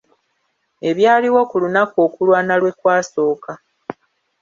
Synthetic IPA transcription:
e̞βjaːliwo̞kulunako̞ːkulwaːnalwe̞kwaːso̞ːka

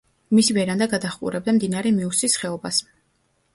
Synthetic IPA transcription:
misivɛɾand̪aɡad̪aχkʼṵɾɛb̚d̪amd̪inaɾɛmiusisχɛɔbas

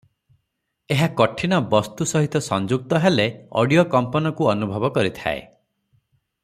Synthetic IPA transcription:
eɦakɔʈʰiñɔbɔst̪usɔɦit̪ɔsɔnd͡ʒuk̚t̪ɔɦeleɔ̰ɽijokɔmpɔnɔkuɔnubʱɔbɔkɔɾit̪ʰa̰ḛ

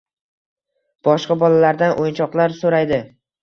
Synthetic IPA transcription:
b̥ɒʃqɑbɒlalaɾd̪anʔojɪnt͡ʃʰɒqlˠaɾsoɾajd̪ɪ

